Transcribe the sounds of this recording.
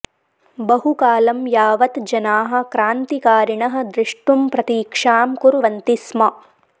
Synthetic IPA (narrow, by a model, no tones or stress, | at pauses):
bɐɦukaːlɐmjaːʋɐt̪d͡ʒɐnaːɦɐ̆kɾaːnt̪ikaːɾiɳɐɦɐ̆d̪ɾɪʂʈumpɾɐt̪iːkʂaːmkuɾʋɐnt̪ismɐ